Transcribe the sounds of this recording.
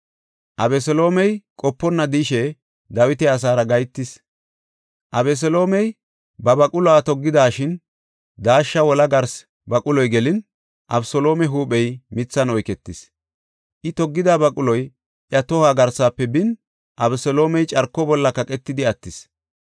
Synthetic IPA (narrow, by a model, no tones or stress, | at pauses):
ʔɐbɛs̬ɔlo̞ːmɛjkʼɔpːɔnːɐd̪iʃɛ | d̪ɐwɪt̪ɛɐs̬aːɾɐɡɐjt̪ːɪs | ʔɐbɛs̬ɔlo̞ːmɛj | bɐbɐkʼʊlɔat̪ɔɡːɪd̪aːʃɪn | d̪aːʃːɐwɔlɐɡɐɾs | bɐkʼʊlɔjɡɛlɪn | ʔɐbsɔlo̞ːmɛɦuːɓɛjmɪt͡sːɐnɔjkɛt̪ːɪs | ʔɪt̪ɔɡːɪd̪aːbɐkʼʊlɔj | ʔjɐt̪ɔhaːɡɐɾsaːpːɛbɪn | ʔɐbɛsɔlo̞ːmɛjt͡ʃʼɐɾkːɔbɔlːɐkɐkʼɛt̪ːɪd̪ɪɐt̪ːɪs